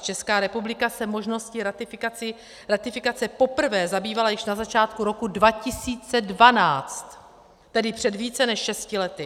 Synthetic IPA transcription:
t͡ʃɛskaːɾɛpublɪkasɛmo̞ʒno̞scɪɾat̪ɪfɪkat͡sɪ | ɾat̪ɪfɪkat͡sɛpo̞pr̩vɛːzabiːvalajɪʃnazat͡ʃaːt̪kuɾo̞kudvacɪsiːt͡sɛdvanaːt͡st̪ː | ɛdɪpr̝̥ɛdviːt͡sɛnɛʃʃɛscɪlɛt̪ɪ

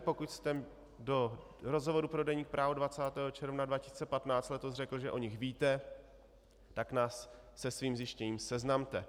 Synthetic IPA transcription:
po̞kucst̪ɛ | do̞ | ɾo̞zɦovo̞ɾupɾo̞dɛɲiːk̚pɾʔaːvodvat͡saːt̪ɛːɦot͡ʃɛɾvnadvacɪsiːt͡sɛpat̪naːt͡st̪lɛt̪ozr̝ɛkl̩ʒɛʔoɲɪxviːt̪ɛ | t̪aknaːsː | ɛsviːmzjɪʃcɛɲiːmsɛznamt̪ɛ

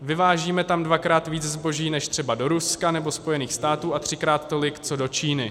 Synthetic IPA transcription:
vɪvaːʒiːmɛt̪amdvakɾaːt̪viːt͡szbo̞ʒiːnɛʃt̪r̝̥ɛbado̞ɾuskanɛbo̞spo̞jɛniːxst̪aːt̪uːʔat̪r̝̥ɪkɾaːt̪ːo̞lɪkt͡so̞do̞t͡ʃiːnɪ

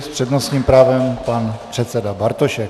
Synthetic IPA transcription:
spr̥ɛdnosɲiːmpɾaːvɛmpanpr̥ɛt̪sɛdabaɾt̪oʃɛk

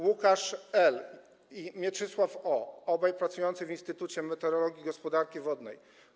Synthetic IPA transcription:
wukaʂɛl | imʲjɛt͡ʂɘswafɔɔbajpɾat̪sujɔnt̪sɘvʲinst̪ɘt̪ut͡ɕɛmɛt̪ɛɾɔlɔɡʲiɡɔspɔd̪aɾkʲivɔd̪nɛ̰j

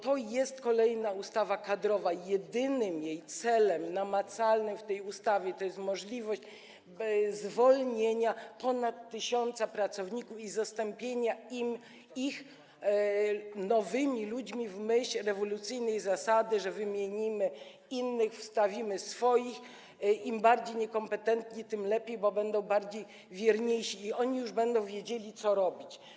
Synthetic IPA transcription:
t̪ɔjɛst̪kɔlɛjnaust̪avakad̪ɾɔvajɛd̪ɘnɘmjejt̪sɛlɛmnamat̪salnɘmft̪ɛjust̪avʲjɛt̪ɔjɛst̪mɔʐlʲivɔɕt͡ɕ | zvɔlɲeɲapɔnat̪ːɘɕɔnt̪sapɾat̪sɔvɲikufizast̪ɔmpʲjeɲaim | ix | nɔvɘmʲilud͡ʑmʲivmɘɕɛɾɛvɔlut̪sɘjnɛjzasad̪ɘʐɛvɘmʲjeɲimɘ | inːɘxfst̪avʲimɘsfɔjix | imbaɾd͡ʑejɲɛkɔmpɛt̪ɛnt̪ɲit̪ɘmlɛpʲjejbɔbɛnd̪ɔ̃w̃baɾd͡ʑej | vʲjɛɾɲejɕiːɔɲijuʐbɛnd̪ɔ̃w̃vʲjed͡ʑelʲit̪sɔɾɔbʲit͡ɕ

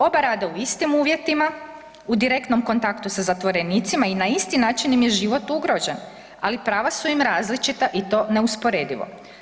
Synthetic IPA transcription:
o̞baɾaːd̪auist̪imuːʋje̞t̪ima | ud̪iɾe̞kt̪no̞mko̞nt̪akt̪usazat̪ʋo̞ɾe̞niːt̪simainaist̪inaːt͡ʃinimjeʒiʋo̞t̪uɡɾo̞d͡ʒe̞n | alipɾaːʋasuimɾaːzlit͡ʃit̪aʔit̪o̞ːne̞uspo̞ɾeːd̪iʋo̰

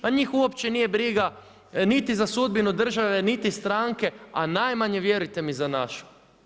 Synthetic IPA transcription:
aɲiːxuopt͡ʃenijebɾiɡa | nit̪izasud̪̚binud̪r̩ʒaʋe̞nit̪ist̪ɾaːŋke̞anajmaɲeʋje̞ɾujt̪e̞mizanaʃu̥

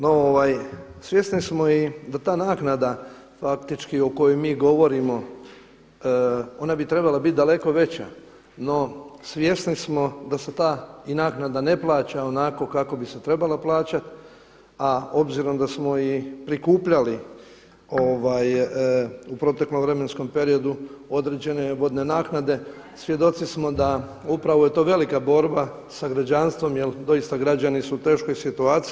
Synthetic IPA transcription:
nooʋaj | sʋje̞snismo̞id̪at̪aːnaːknad̪a | fakt̪it͡ʃkio̞ko̞jojmiːɡo̞ʋo̞ɾimo̞ | o̞nabit̪ɾe̞balabit̪̚d̪ale̞ko̞ʋe̞t͡ɕa̰ | no̞sʋje̞snismo̞d̪ase̞t̪aːinaːknad̪ane̞plˠaːt͡ɕao̞nako̞kako̞biset̪ɾe̞balaplˠaːt͡ɕat̪ | ao̞bziɾo̞md̪asmo̞ipɾikuːpʎali | o̞ʋaj | upɾo̞t̪e̞klomʋɾe̞me̞nsko̞mpe̞ɾio̞d̪uo̞d̪ɾe̞d͡ʑe̞ne̞ʋo̞d̪ne̞naːknad̪e̞ | sʋje̞d̪o̞t̪sismo̞d̪aupɾaʋoje̞t̪o̞ːʋe̞likabo̞ɾba | saɡɾad͡ʑanst̪ʋo̞mjeld̪o̞ist̪aɡɾad͡ʑanisuːt̪e̞ːʃko̞jsit̪uaːt̪s

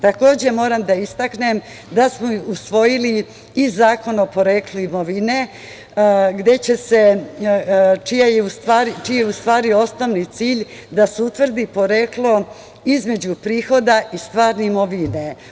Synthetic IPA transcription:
t̪ako̞ːd͡ʑe̞mo̞ːɾamd̪aist̪akne̞m | d̪asmousʋo̞jili | izaːko̞nopo̞ɾe̞ːkluimo̞ʋine̞ | ɡd̪e̞t͡ɕe̞se̞ | t͡ʃijajeust̪ʋaːɾit͡ʃieust̪ʋaːɾio̞snoʋnit̪siːʎ | d̪aseut̪ʋr̩d̪ipo̞ɾeklo̞ | izme̞d͡ʑupɾiːxo̞d̪aʔist̪ʋaːɾneimo̞ʋine̞

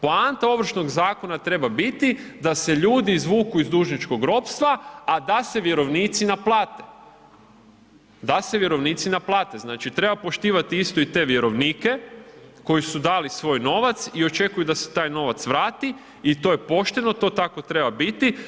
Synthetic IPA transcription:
poant̪ao̞ʋɾ̩ʃno̞ɡzaːko̞nat̪ɾe̞babit̪id̪ase̞ʎuːd̪izʋuːkuizd̪uːʒnit͡ʃko̞ɡɾo̞pst̪ʋaad̪ase̞ʋje̞ɾo̞ʋniːt̪sinaplˠaːt̪e̥ | d̪aseʋjeɾo̞ʋniːt̪sinaplˠaːt̪e̞znaːt͡ʃit̪ɾe̞bapo̞ʃt̪iːʋat̪iist̪o̞it̪e̞ʋje̞ɾo̞ʋniːke̞ko̞jisud̪aːlisʋo̞ːjno̞ʋat̪sio̞t͡ʃe̞kujud̪ase̥t̪aːjno̞ʋat̪sʋɾaːt̪i | it̪o̞ːje̞po̞ʃt̪e̞no̞t̪o̞ːt̪ako̞t̪ɾe̞babit̪i

